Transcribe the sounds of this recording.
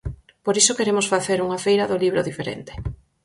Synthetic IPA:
poɾisokeɾemʊsfaθeɾuŋafejɾɐðoliβ̞ɾoðifeɾḛnt̪e̥

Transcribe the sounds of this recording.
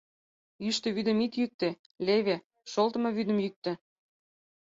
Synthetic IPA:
jyʃt̪ə̆βyd̪ə̆mit̪jyk̚t̪ĕ | lʲeβe | ʃolt̪ə̆mɤβyd̪ə̆mjyk̚t̪ĕ

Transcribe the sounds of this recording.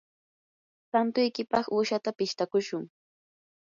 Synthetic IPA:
t̪ant̪ʊjkɪpɑχuːʃat̪apɪʃt̪akʊʃʊŋ

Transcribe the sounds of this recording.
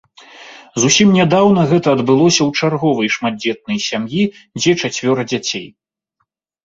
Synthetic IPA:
zusʲimnʲad̪awn̪ɐɣɛt̪ɐːd̪bɨlˠɔsʲɐwt͡ʂarɣɔvɐjʂmad̪̚ʲd͡zʲɛt̪̚nɐjsʲamji | d͡zʲɛt͡ʂat͡sʲvʲɔɾɐd͡zʲat͡sʲḛj

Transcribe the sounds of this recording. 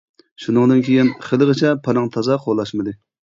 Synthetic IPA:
ʃunɨŋd̪ɨnkʲejinχəlˠʁət͡ʃʰɛpʰɑnɨŋt̪ʰɑzɑqʰolˠːɑʃmɨd̪ɨ

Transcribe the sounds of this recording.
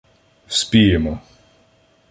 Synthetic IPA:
sʲpʲijemɔ

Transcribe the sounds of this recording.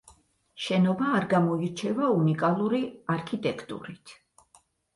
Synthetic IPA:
ʃɛnɔbaːɾɡamɔiɾt͡ʃʰɛvaunikʼalˠuɾiaɾkʰit̪ʼɛkʰt̪ʼṵɾit̪ʰ

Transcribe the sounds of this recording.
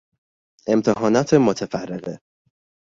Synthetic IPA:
e̞mt̪ʰeɦɒːnɒːt̪ʰemot̪ʰefærːeɣe

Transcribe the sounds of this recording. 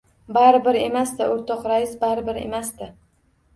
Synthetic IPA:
baɾɪbɪɾe̞masd̪ɪʔoɾt̪ʰɒqɾajɪsbaɾɪbɪɾe̞̰masd̪ɪ

